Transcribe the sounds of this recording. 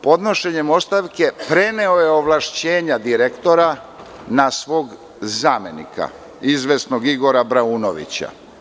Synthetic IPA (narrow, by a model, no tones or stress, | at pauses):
po̞d̪no̞ʃe̞ɲemo̞st̪aʋke̞pɾe̞neoje̞o̞ʋlˠaʃt͡ɕe̞ːɲad̪iɾekt̪o̞ɾa | nasʋo̞ːɡ | zaːmenḭkʰa̰ | izʋe̞sno̞ɡiɡo̞ɾabɾauːno̞ʋḭt͡ɕa̰